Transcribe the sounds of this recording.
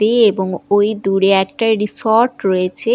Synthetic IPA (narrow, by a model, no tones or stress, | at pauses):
eeboŋojd̪uɽeɛk̚ʈaɾisoɾʈɾojet͡ɕʰe